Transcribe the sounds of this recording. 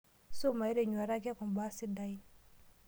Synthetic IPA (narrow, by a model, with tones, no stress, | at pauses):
su˦ma˨i˦ɾe˨ɲu˨a˨ɾa˦k̬i˦a˦ku˨m˨ba˦si˦da˨i˦